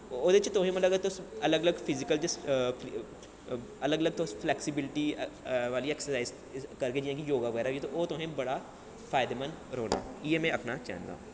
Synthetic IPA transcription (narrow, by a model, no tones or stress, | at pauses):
oːd̪et͡ʃt̪oːɦẽmɐt̪ləɡət̪osɐləɡɐləɡpʰɪzɪkəld͡ʒɪs | ɐləɡələɡ̚t̪osplɛːksɪbɪlɪʈiʋaːliɛːksəɾsaːɪz | kɐɾked͡ʒiẽkijoːɡaʋəɡɛːɾaet̪oʔoːt̪oːɦẽbɐɽa | fʰaːjɪd̪emənɾoːna̰ːiemẽɐpnat͡ʃɛ̰ːnd̪a̰ː